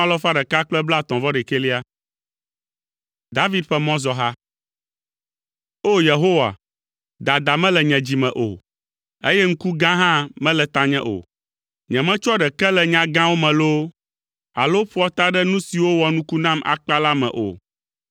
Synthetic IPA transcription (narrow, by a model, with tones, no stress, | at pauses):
a˦lɔ˦fa˦ɖɛ˨ka˦k͡plɛ˦bla˦˨t̪ɔ̃˨vɔ˦ɖɛ˨ke˦li˦a˦ | d̪a˦vi˦d̪̚ɸɛ˦mɔ̃˦zɔ˨ɦa˦ | o˦je˨ɦo˦wa̰˨ | d̪a˨d̪a˨mɛ̃˦lɛ˨ɲɛ̃˨d͡ʑi˨mɛ̃˨ʔo̰˨ | e˦jɛ˦ŋ̩˦ku˦ɡã˦ɦã˦mɛ̃˦lɛ˨t̪ã˦ɲɛ̃˦ʔo̰˨ | ɲɛ̃˨mɛ̃˦t͡ʃɔ˦ɖɛ˨kɛ˦lɛ˨ɲã˨ɡã˦wo˦mɛ̃˨lo˦ | a̰˨lo˦ɸu˦ɔ˦t̪a˦ɖɛ˦nũ˦si˨wo˦wɔ˨nũ˦ku˦nã˦mʔa̰˨k͡pa˦la˦mɛ̰̃˨ʔo̰˨